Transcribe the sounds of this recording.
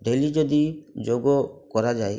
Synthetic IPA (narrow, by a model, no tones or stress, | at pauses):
ɖelid͡ʒɔd̪id͡ʒoɡɔkɔɾad͡ʒaj